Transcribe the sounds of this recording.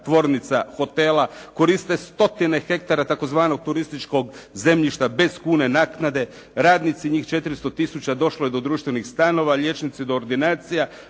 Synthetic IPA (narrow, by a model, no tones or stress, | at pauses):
t̪ʋo̞ːɾnit̪saxo̞t̪e̞lako̞ɾist̪e̞st̪o̞t̪ine̞xe̞kt̪aɾat̪ako̞zʋaːno̞ɡ̚t̪uɾist̪it͡ʃko̞ɡze̞mʎiʃt̪abe̞skuːne̞naːknad̪e̞ | ɾaːd̪nit̪siɲiːxt͡ʃe̞t̪iɾist̪o̞t̪isut͡ɕad̪o̞ʃlojed̪o̞d̪ɾuːʃt̪ʋe̞nixst̪ano̞ʋaʎe̞t͡ʃnit̪sid̪oːɾd̪inaːt̪sija